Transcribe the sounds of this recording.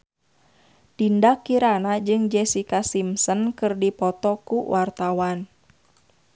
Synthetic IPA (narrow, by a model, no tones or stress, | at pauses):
t̪indakːiɾanad͡ʒɨŋd͡ʒɛsikasimsənkɨrdipɔt̪ɔkuwʔart̪awan